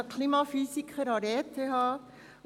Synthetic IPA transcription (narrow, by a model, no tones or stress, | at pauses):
kʰliːmɑfyːsɪkʰəɾɑɾeːt̪ʰːehɑː